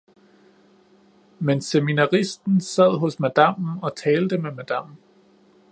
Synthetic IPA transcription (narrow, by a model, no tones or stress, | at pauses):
menseminɑʁisd̥n̩sæð̰ˠɦɔ̽smæd̥ɑm̰̩ɒ̽t͡sʰɛːld̥əmemæd̥ɑm̰